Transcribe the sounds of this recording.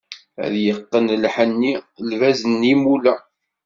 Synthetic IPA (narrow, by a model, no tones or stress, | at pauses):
æ̰ðjəqːənlħənːilvæzənːimulæ